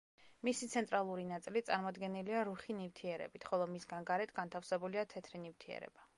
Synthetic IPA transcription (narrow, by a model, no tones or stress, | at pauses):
misit̪sʰɛnt̪ʼɾalˠuɾinat̪sʼilit̪sʼaɾmɔd̪ɡɛniliaɾuχinivt̪ʰiɛɾɛ̰bit̪ʰχɔlˠɔmisɡanɡaɾɛt̪ʰɡant̪ʰafsɛbuliat̪ʰɛt̪ʰɾinift̪ʰiɛ̰ɾɛ̰b̥a